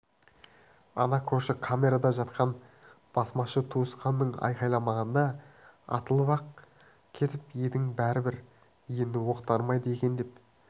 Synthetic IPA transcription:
ɑ̰nɑkʲʰɵɾʃɪkʰamʲe̞ɾad̪ɑʒɑt̪qʰɑn | b̥ɑsmɑʃət̪ʰuəsqɑnd̪əɴɑ̰jqɑjlˠɑmɑʁɑnd̪ɑɑ̰t̪əlˠbɑq | kʲʰe̞t̪ɪped̪ɪŋbæɾɪbɪɾ | je̞nd̪ɪwo̞qt̪ɑɾmɑjd̪əekʲe̞nd̪e̞p

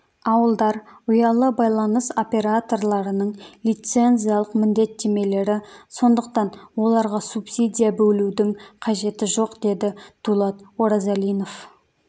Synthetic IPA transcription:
ɑwəlˠd̪ɑɾʊjɑlˠəbɑjlˠɑnəso̞pʲe̞ɾat̪o̞rlˠɑɾənəɴlijt̪se̞nzijɑlˠəqmɪnd̪e̞t̪ːe̞me̞le̞ɾɪso̞nd̪əqt̪ɑnwo̞lˠɑɾʁɑsupsʲid̪ijabɵlud̪ɪŋqʰɑʒe̞t̪ɪʒo̞qd̪e̞d̪ɪd̪̥ulˠɑt̪wo̞ɾɑzalijno̞f

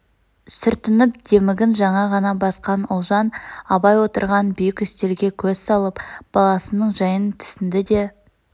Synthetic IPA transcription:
sʏɾt̪ɪnɪpd̪̥e̞mɪɡʲɪnʒɑɴɑʁɑnɑbɑsqɑnʊlˠʒɑnɑbɑjwo̞t̪əɾʁɑnbʏjɪkʲʏst̪e̞lɡʲe̞kʲʰɵzsɑlˠəpb̥ɑlˠɑsənəɴʒɑjənt̪ʰʏ̥sɪnd̪ɪd̪e̞

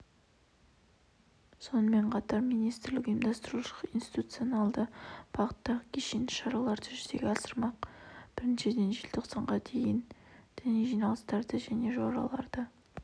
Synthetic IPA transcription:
so̞nəme̞ɴqʰɑt̪ɑɾmijnijst̪ɪɾlɪkijəmd̪ɑst̪əɾuʃə̥qinst̪i̥t̪ut̪sionɑlˠd̪əb̥ɑqə̥t̪ːɑʁəkʲʰeʃend̪ɪ̥ʃɑɾɑlˠɑɾt̪ʰʏʒze̞ɡʲeɑsəɾmɑqb̥ɪɾnʃe̞d̪e̞nʒilt̪ʰoqsɑɴʁɑd̪ʰe̞jɪnd̪̥ɪneʒijnɑlˠəst̪ɑɾd̪əʒæne̞ʒoɑɾɑ̰lˠɑ̰ɾd̪̥ə

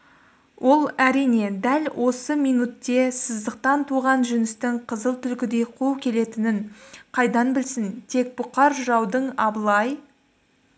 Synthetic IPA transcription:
wʔo̞lˠæɾijne̞d̪ælwʔo̞səmijnut̪ːe̞səzd̪əq̚t̪ɑnt̪ʰuʁɑnʒʏnɪst̪ɪŋqʰəzəlˠt̪ʰʏlkʲɪd̪e̞jqʰulˠkʲʰe̞le̞t̪ɪnɪɴqʰɑjd̪ɑnbɪlsɪnt̪ʰe̞k̚bʊqɑɾʒʊɾɑwd̪əɴɑbəlˠɑj

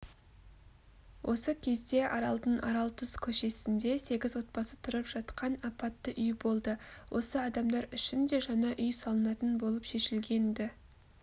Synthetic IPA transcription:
wʔo̞səkʲʰe̞zd̪e̞ʔɑɾɑlˠd̪ənʔɑ̰ɾɑlˠt̪ʰʊzkʲʰɵʃe̞sɪnd̪e̞se̞ɡʲɪzwo̞t̪̚pɑsət̪ʰʊɾəpʒ̥ɑt̪qɑnɑpɑt̪ːəʔʏjbo̞lˠd̪əwʔo̞səɑd̪ɑmd̪ɑɾʏʃɪnd̪e̞ʒɑnɑʔʏjsɑlˠənɑt̪ənbo̞lˠəpʃe̞ʃɪlɡʲe̞nd̪ɪ

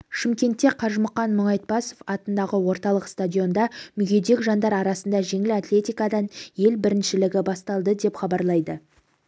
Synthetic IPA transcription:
ʃɪmkʲe̞nt̪ːe̞qʰɑɾʒməqɑnmʊɴɑjt̪̚pɑso̞fɑt̪ənd̪ɑʁəwo̞ɾt̪ɑlˠəqst̪adʲijo̞nd̪ɑmʏɡʲe̞d̪e̞kʒɑnd̪ɑɾɑɾɑsənd̪ɑʒe̞ŋɪlat̪lʲe̞t̪ijkɑd̪ɑnje̞lbɪɾɪnʃɪlɪɡʲɪbɑst̪ɑlˠd̪əd̪e̞pχɑbɑɾlˠɑjd̪ə

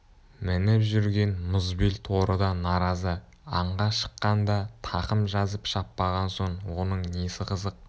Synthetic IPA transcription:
mɪnɪpʒʏɾɡʲe̞nmʊzbilt̪ʰo̞ɾəd̪ɑnɑɾɑzə | ɑɴʁɑʃə̥qːɑnd̪ɑt̪ʰɑqəmʒɑzəpʃɑpːɑʁɑnso̞ɴwo̞nəɴnesɪqʰəzəq̚

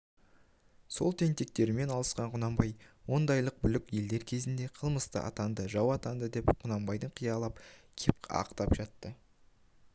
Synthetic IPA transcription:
so̞lˠt̪ʰe̞nt̪e̞k̚t̪e̞ɾme̞nɑlˠəsqɑɴqʰʊnɑmbɑjwo̞nd̪ɑjlˠəq̚bʏlɪkʲje̞ld̪e̞ɾkʲʰe̞zɪnd̪e̞qʰəlˠməst̪ə̰ʔɑ̰t̪ɑnd̪əʒɑwɑt̪ɑnd̪əd̪e̞pqʰʊnɑmbɑjd̪əɴqʰijɑlˠɑpkʲʰe̞p̚ɑ̰qt̪ɑpʒɑt̪ːə

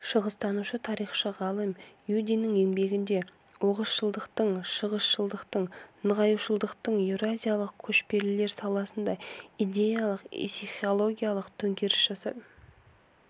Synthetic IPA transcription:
ʃəʁəzt̪ɑnuʃət̪ʰɑɾijχʃəʁɑlˠəmjud̪inːɪŋe̞ŋbe̞ɡʲɪnd̪e̞ | woʁəsʃəlˠd̪əqt̪əɴʃəʁəsʃəlˠd̪əqt̪əɴnəʁɑjuʃəlˠd̪əqt̪əɴeɾoazʲijalˠəq̚kʲʰɵʃpe̞ɾlɪle̞ɾsɑlˠɑsənd̪ɑijd̪ʲe̞jalˠəqsiχio̞lˠo̞ɡʲijalˠəqt̪ʰɵŋkʲʰe̞ɾɪsʒ̥ɑsɑ̰d̪ə

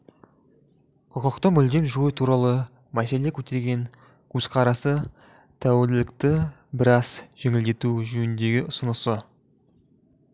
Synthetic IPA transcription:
qʰəqəqt̪əmʏld̪e̞mʒujət̪ʰuɾɑlˠə | mæse̞lekʲʰɵt̪e̞ɾɡʲe̞ŋ | kʲʰɵzqʰɑɾɑsə | t̪ʰæwelɪlɪkt̪ɪ | bɪɾɑzʒ̥e̞ŋʲɪld̪e̞t̪uʒʏjɪnd̪e̞ɡʲɪʊsənəsə

